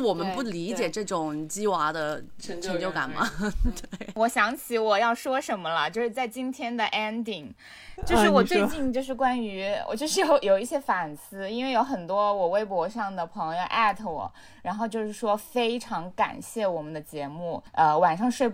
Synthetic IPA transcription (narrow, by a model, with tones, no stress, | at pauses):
wɔ˨˩mə˦npu˥˩li˧˥t͡ɕjɛ˨˩ʈ͡ʂɤ˥˩ʈ͡ʂʊ˨˩ŋt͡ɕi˥wa˧˥d̪ə˧ʈ͡ʂʰɤ˧˥ŋt͡ɕjo˥˩ʊka̰˨˩nmɐ̰˦t̪wwe˥˩ɪwɔ˨˩˥ɕjɑ˧˥ŋt͡ɕʰi˧˥wɔ˨˩jɑ˥˩ʊʂwɔ˥ʂə˧˥nmə˧lə˨t͡ɕjo˥˧ʊʂɻ̩˥˧t͡sa˥˩ɪt͡ɕi˥nt̪ʰjɛ˥nd̪ə˨ʔɛ˥nt̪i˥˩ŋ | t͡ɕjo˥˧ʊʂɻ̩˥˩wɔ˨˩t͡swe˥˧ɪt͡ɕi˥˧ŋt͡ɕjo˥˧ʊʂɻ̩˥˩kwa˥ny̰˧˥˨t͡ɕjo˥˧ʊʂɻ̩˥˩jo˨˧˥ʊjo˨˩ʊi˥˩ɕjɛ˥fa˨˩nsɹ̩˥i˥nwe˥˩ɪjo˧˥ʊxə˨˩nt̪wɔ˥wɔ˨˩we˥ɪp̬wɔ˧˥ʂɑ˥˩ŋd̪ə˩pʰɤ˧˥ŋjjjo˧ʊʔa˥˩t̪ʰə˧˩wɔ̰˨˩˦ | ɻa˧˥nxo˥˧ʊt͡ɕjo˥˧ʊʂɻ̩˥˩ʂwɔ˥fe˥ɪʈ͡ʂʰɑ˧˥ŋka̰˨˩nɕjɛ˥˩wɔ˨˩mə˦nd̪ə˧t͡ɕjɛ˧˥mu˥˩ʔə˧wa˨˩nʂɑ˥˧ŋʂwe˥˧ɪ